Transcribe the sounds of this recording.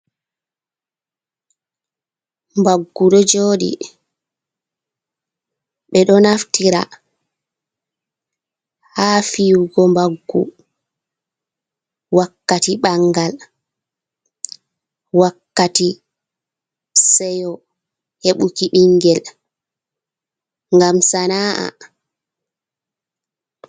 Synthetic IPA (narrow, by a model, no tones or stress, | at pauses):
mbaɡːuɗɔd͡ʒoːɗḭ | ɓɛɗɔnaftiɾa̰ | haːfiwɡɔmbaɡːṵ | wakːatiɓaŋɡal | wakːati | sɛjɔ | heɓukiɓiŋɡɛl | ŋɡamsanaːʔa̰